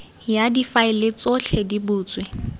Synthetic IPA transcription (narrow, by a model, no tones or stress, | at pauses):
jadifaɪlɪt͡sʼoɬʰɛdibuːt͡sʼwɪ